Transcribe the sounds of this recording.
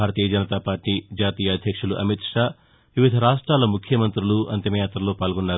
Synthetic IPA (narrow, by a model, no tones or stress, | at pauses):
aːɾɐt̪iːjɐd͡ʒɐnit̪aːpaːɾʈiːd͡ʒaːt̪iːjɐːd̪ʱjɐkʂuluʔɐmit̪ʂaː | ʋiʋid̪ʱɐɾaːʂʈɾaːlɐmukʰjɐmɐnt̪ɾuluʔɐ̰nt̪jɐmɐjaːt̪ɾɐlo̞ːpaːlɡɔnːaːɾu